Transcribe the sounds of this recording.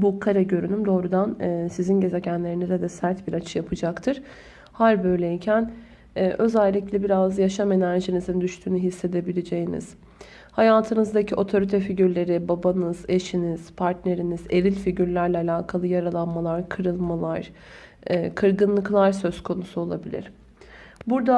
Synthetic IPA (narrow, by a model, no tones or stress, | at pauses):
bukʰaɾaɟø̞ɾynymd̪o̞ːɾud̪anːsizinɟe̞ze̞ɟænlʲe̞ɾinizɛd̪ɛsæɾt̪biɾat͡ʃʰɯjapʰɯd͡ʒakt̪ʰɯɾ̥ | haɾbø̞jlʲeicʰæn | ɛːʔø̞zælʲːiclʲɛbiɾazjaʃame̞næɾʒinizind̪yʃt̪ʰyːnyɦisːe̞d̪e̞bilʲed͡ʒejinḭz̥ | hajaːt̪ʰɯnɯzd̪acʰiʔo̞t̪ʰo̞ɾit̪ʰɛfiɟyɾlʲe̞ɾibabanɯze̞ʃiniz̥pʰaɾt̪ne̞ɾinizeɾilʲfiɟyɾlʲæɾlʲɛalʲaːkʰalˠɯjaɾalˠanmalˠaɾkʰɯɾɯlˠmalˠaɾ̥ː | kʰɯɾɡɯnlˠɯklˠaɾsø̞z̥kʰo̞nusuo̞lˠabilʲḭɾ̥ | buɾd̪a